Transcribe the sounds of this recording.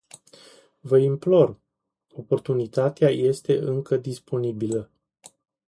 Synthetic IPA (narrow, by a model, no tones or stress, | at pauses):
vəimplo̞r | o̞po̞rt̪unit̪at̪eaje̞st̪e̞ʔɨŋkəd̪ispo̞nibilə